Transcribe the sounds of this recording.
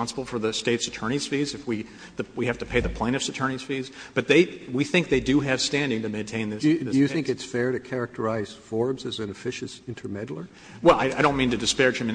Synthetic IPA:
ɑ̃nsəbl̩ˠfə˞ðɨsteɪtsɨtʰɜ˞ɾ̃iz̥fizɨfwi | ðɨwihæftɨpʰeɪðɨpʰl̥ẽɪ̃nʌvsɨtʰɜ̃˞niz̥fizb̥ʌt̪̚ðeɪwiθɪ̃ŋk̚ðeɪdɨɨv̥stæ̃ndɪ̃ŋtɨmẽɪ̃ntʰẽɪ̃nðɪsɪɨjjɨθθɪ̃ŋkɨtsfɛɹɾɨkʰɛɹɨk̚tʰə˞aɪz̥fɔɹbzɨz̃nɨfɪʃɨsɪ̃ntʰə˞mɛɾl̩ˠə˞ | wɛlˠaɪaɪɾõʊ̃nmĩntɨdɨspɛɹd͡ʒɨ̃mɨ̃

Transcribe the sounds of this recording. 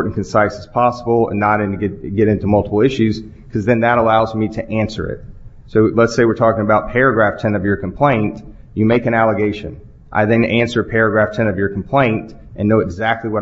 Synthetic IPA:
ɹʔn̩kʰɨ̃n̩saɪsɨz̥pʰɑsəbl̩ˠə̰̃nːəɾɨ̃ntɨɡɡɛɾɪ̃ntumʌlˠtəpl̩ˠɪʃʉz̥ | kʰʌzðɨ̃nðəɾəlaʊzmiɾɨʔæ̃nsə̰˞ɪ̰t̚ | soʊlətseɪwɨɹtʰɔkɪ̃ŋəbaʊt̚pʰɛɹɨɡɹæftʰɛ̃nʌvjə˞kʰm̩pʰl̥ẽɪ̃nt | jɨmeɪkɨ̃ɾ̃nælˠəɡeɪʃɨ̰̃n | ʔa̰ɪðɨ̃næ̃nsə˞ɨpʰɛɹɨɡɹæftʰɛ̃nʌvjə˞kʰm̩pʰl̥ẽɪ̃nt | ʔɨ̃nːoʊɨɡzæk̚tˡliwʌ

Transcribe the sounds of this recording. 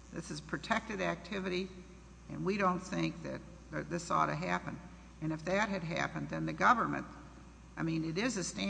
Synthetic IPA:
ðɪsɨz̥pʰɹ̥ɨtʰɛk̚tɨɾæk̚tʰɪvɨɾi | ɨ̰̃nwiɾõʊ̃nθɪ̃ŋk̚ðɨ̰t̪̚ | ðə˞ðɪsɔ̰ɾɨɦæpɨ̰̃n | ɨ̃nɨfðɨt̚ɦɨd̚ɦæ̰pɨ̃nðɨ̃nðɨɡʌvə˞mɨ̰̃n | aɪmĩnɨɾɪzɨstæ̃

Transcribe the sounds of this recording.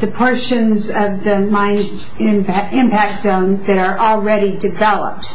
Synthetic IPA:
ðɨpʰɔɹʃɨ̃nzʌvðɨmãɪ̃nz | ɪ̃mɪ̃mpæk̚tz̥õʊ̃nðɨɾə˞ʔl̩ˠɹɛɾidɨvɛlˠə̰p̚t̚

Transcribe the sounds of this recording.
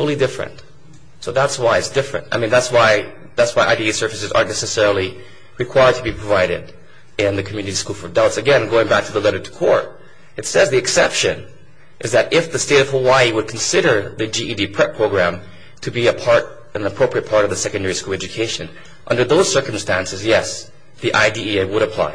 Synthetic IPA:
oʊlˠidɪfɹɨ̰̃nt | soʊðætswaɪɨtsd̥ɪfɹɨ̰̃ntaɪmĩnðætswaɪ | ðætswaɪʔa̰ɪdiisɜ˞fɨsɨzə̰̃˞nɛsɨsɛɹl̩ˠi | ɹɨkʰw̥aɪə˞d̚tʰəbipʰɹ̥əvaɪɾɪ̰ɾ | ɪ̃nðɨkʰmjʉnɨɾiskulˠfə˞daʊtsɨɡɛ̃nɡoʊɪ̃ŋbæk̚tʰɨðəlɛɾə˞tʰə̥kʰɔ̰ɹt | ɨtsɛzðiɨksɛpʃɨ̃n | ʔɨzðɨɾɪfðɨsteɪɾʌv̥həwaɪiwəd̚kʰn̩sɪɾə˞ðɨd͡ʒiʔidipʰɹ̥ɛpʰɹ̥oʊɡɹæ̃m | tʰɨbiɨpʰɑɹɾ | ɨ̃nəpʰɹ̥oʊpɹiɨt̚pʰɑɹɾʌvðɨsɛkɨ̃n̩dɛɹiskulˠɛd͡ʒɨkʰeɪʃɨ̃n | ʔʌ̃ndə˞ðoʊz̥sɜ˞km̩stæ̃nsɨzjɛs | ðiʔa̰ɪdiieɪwəɾɨpʰl̥a̰ɪ

